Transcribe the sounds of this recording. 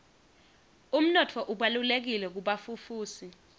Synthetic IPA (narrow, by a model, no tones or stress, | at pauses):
um̩nɔtʰɔʔuɓalulek̬ilɛk̬uɓafufuːsi